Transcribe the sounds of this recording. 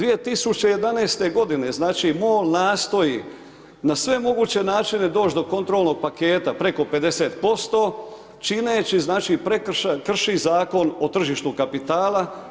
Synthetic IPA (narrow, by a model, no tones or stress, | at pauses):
d̪ʋije̞t̪isut͡ɕe̞je̞d̪aneːst̪e̞ɡo̞d̪ine̞znaːt͡ʃimoːlnaːst̪o̞ji | nasʋe̞mo̞ɡuːt͡ɕe̞naːt͡ʃine̞d̪o̞ːt͡ʃd̪o̞ko̞nt̪ɾolno̞ɡ̚pake̞ːt̪apɾe̞ko̞pe̞d̪e̞se̞ːt̪po̞st̪o̞ː | t͡ʃineːt͡ɕiznaːt͡ʃipɾekkr̩ʃizaːko̞no̞t̪r̩ʒiːʃt̪ukapit̪aːla